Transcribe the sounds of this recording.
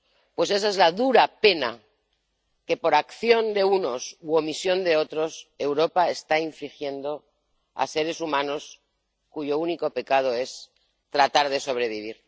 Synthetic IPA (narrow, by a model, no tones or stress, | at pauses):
pwe̞se̞s̬aezlaðuɾape̞na̰ | ke̞po̞ɾakθjo̞nd̪e̞uno̞suo̞misjo̞nd̪e̞o̞t̪ɾo̞se̞wɾo̞pae̞st̪aiɱflixje̞nd̪o̞ | a̰se̞ɾe̞sumãno̞s | kuʝo̞uniko̞pe̞kað̞o̞e̞s | t̪ɾat̪aɾðe̞so̞β̞ɾe̞βiβ̞iɾ